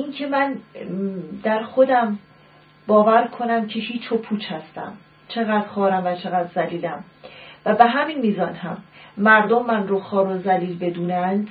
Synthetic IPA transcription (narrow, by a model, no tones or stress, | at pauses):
ʔiŋcʰe̞mæn | d̪æɾxo̞d̪æm | bɒːvæɾkʰo̞næmcʰe̞hiːt͡ʃʰopʰuːt͡ʃʰhæst̪æ̰m | t͡ʃʰe̞ɣæːd̪̥xɒːɾæmvæt͡ʃʰe̞ɣæd̪zæliːlæm | væbeɦæminmiːzɒːnhæmːæɾd̪omːænroxɒːɾozæliːlbe̞d̪uːnænd̪̥